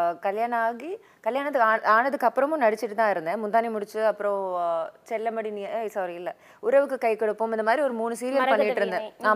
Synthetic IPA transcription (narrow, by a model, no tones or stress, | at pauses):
kɐljaːɳɐaːɣi | kɐljaːɳɐt̪ːɯkaːaːnɐðɯkːɐpːɯɾɐmʊ̃mnɐɽɪt͡ʃːɪʈːɯt̪ãːɪɾɯnd̪ɐmʊnd̪aːnimʊɽɪt͡ʃːɯɐpːɯɾõːt͡ʃɛlːɐmɐɽiniɐɪsaːʋɾɐjɪlːɐ | ʊɾɐʋɯkːɯkɐɪkːɐɽɯpːɯmɪnd̪ɐmaːd̪ɾiɔɾɯmuːnɯsiːɾɪjɐpɐnːɪʈːɪɾɯnd̪ɐaː